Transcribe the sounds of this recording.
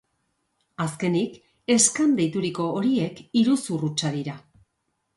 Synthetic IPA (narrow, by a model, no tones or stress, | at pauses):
aske̞nik | e̞skand̪ejt̪uɾiko̞ːɾie̞kiɾusurut͡ʃaðiɾa